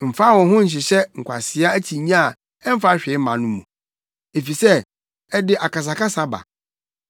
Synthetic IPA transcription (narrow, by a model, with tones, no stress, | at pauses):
m̩˨fa˦˨wɔ̃˨ɦʊ̃˦ɲ̩˨ɕ̬ɪ˨ɕɛ˦ŋ̩˨kʷʰa̰˨sɪ˦a˦æ˦t͡ɕʰi˨ɲã˦a˨ | ɛ˦m̩˦fa˦ɕᶣɪ˨˦m˦mã̰˨nʊ̃˦mũ˨ | e˨fi˨sɛ˦ | ɛ˦dɪ˦ʔa˨ka˨s̬a˨kʰa˦sa˦ba̰˨